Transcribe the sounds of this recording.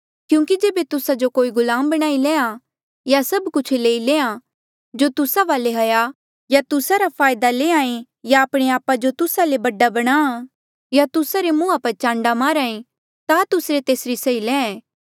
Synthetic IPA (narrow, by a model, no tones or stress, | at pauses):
kjũːkid͡ʒeːbet̪ʊsad͡ʒokoːiɡʊlaːmbɐɽ̃aːilẽːã | jasɐbkʊt͡ʃʰleːileːã | d͡ʒot̪ʊsaʋaːleɦɐja | jat̪ʊsaɾapʰaːjd̪aleːãːẽ | jaːpɽ̃eaːpad͡ʒot̪ʊsalebɐɖabɐɽ̃aːa | jat̪ʊsaɾemũːapɐɾt͡ʃãːɳɖamaːɾaːẽ | t̪at̪ʊsɾet̪eːsɾisɐilɛ̃ːɛ̃ː